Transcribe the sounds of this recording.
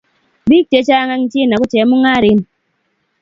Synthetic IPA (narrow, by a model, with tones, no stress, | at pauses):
bi˦k̚te˨˦t͡ʃa˦ŋa˦ŋ˦t͡ʃi˦na˨ku˦t͡ʃe˨˦mu˦ŋa˦˨ɾi˨˦n